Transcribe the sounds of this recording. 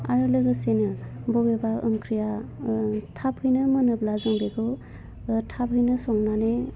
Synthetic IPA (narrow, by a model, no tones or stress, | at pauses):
a̰ɾɯlɯɡɯsenɯbɔbebaɯ̰mkʰɾija | tʰapʰhɯjnɯmənɯblazɔŋbekʰɯ | tʰapɦɯjnɯsɔŋnane